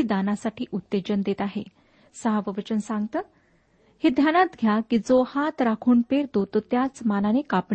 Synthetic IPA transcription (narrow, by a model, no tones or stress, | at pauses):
iːd̪anasaʈiːʔut̪ːed͡ʑənd̪et̪aɦḛ | səɦaʋəʋət͡ɕənsãŋɡt̪əː | hed̪ʱjanat̪ɡʱjakiːd͡zohat̪ɾakʰuːɳpeɾt̪ot̪ot̪jat͡smalanekap